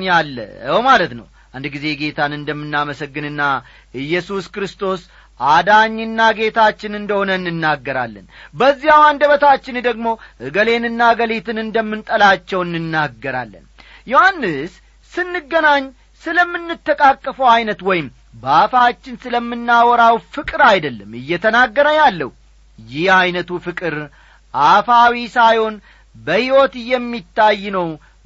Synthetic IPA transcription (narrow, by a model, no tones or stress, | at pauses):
nalːə̰wmalət̪nə̰w | ʔand̪ɡize̞ɡe̞t̪ʰanɨnd̪əmːɨnːaməsəɡːɨnɨnːa | ɨjːɛsuskɾɨst̪ʰo̞s | ʔad̪aɲːɨnːaɡe̞t̪ʰat͡ʃːɪnɨnd̪əho̞nənːɨnːaɡːəɾa̰lːə̰nbəzːijawand̪əβət̪at͡ʃːɪnd̪əɡmo̞hɨɡəle̞nɨnːaɡəlet̪ʰɨnɨnd̪əmːɨnt̪ʼəlat͡ʃːɛwɨnːɨnːaɡːəɾa̰lːə̰n | jo̞hanːɨs | sɨnːɨɡːənaɲː | sɨləmːɨnːɨt̪ːəkʼakʼːəfəwajnət̪wɔjɪm | bəafat͡ʃːɪnsɨləmːɨnːawɔɾawfɨkʼɨɾajd̪əlːəmɨjːɛt̪ʰənaɡːəɾəjalːə̰hu | jɪhajnət̪ufɨkʼɨɾ | ʔafawisajho̞n | bəhiwɔt̪ɨjɛmːit̪ʰːajːnəw